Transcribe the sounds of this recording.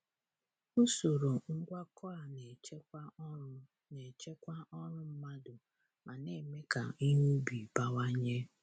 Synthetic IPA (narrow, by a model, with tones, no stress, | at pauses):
u˦so˨ɾo˨ŋ̩˦ɡʷa˦kʰɔ˦a˨ne˨t͡ʃe˦ | ne˨t͡ʃe˦kʷa˦ʔɔ˦ɾʊ˦m̩˦ma˦dʊ˨ | ma˨ne˨me˦ka˨i˦ɦu˦bi˨ba˦wa˦ɲe˦